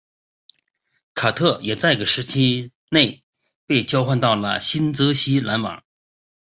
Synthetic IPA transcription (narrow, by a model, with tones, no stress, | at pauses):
kʰa˨˩t̪ʰɤ˥˩jɛ˨˩t͡sa˥˧ɪɡə˩ʂɻ̩˧˥t͡ɕʰi˥ | ne˥˩ɪ | pe˥˩ɪt͡ɕjɑ˥ʊxwa˥˧nt̪ɑ˥˩ʊlə̰˩ɕi˥nt͡sɤ˧˥ɕi˥la˧˥nwɑ̰˨˩˦ŋ